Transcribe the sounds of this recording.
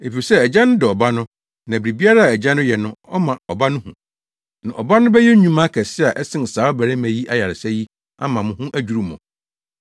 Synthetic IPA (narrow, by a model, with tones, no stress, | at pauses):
e˨fi˨sɛ˦æ˨d͡ʑã˦nʊ̃˦dɪ˨ɔ˨ba˦nʊ̃˦ | nã˨bɾi˨bi˦a˦ɾa˦a˨æ˨d͡ʑã˦nʊ̃˦jɛ˨nʊ̃˦ɔ˦mã˨ɔ˨ba˦nʊ̃˦hṵ̃˨ | nã˨ʔɔ˨ba˦nʊ̃˦bɛ˦jɛ˦ɲũ˦mã˦kʰɛ˨sɪ˦a˨ʔɛ˦sɪ̃˦n˨saː˨˦bæ˨ɾɛ˦mæ̃˨ji˦ʔa˦ja˨ɾɪ˨sæ˦ji˦ | a̰˦mã˨mʊ̃˨hũ˦ʔæ˦d͡ʑᶣu˨ɾu˦mʊ̰̃˨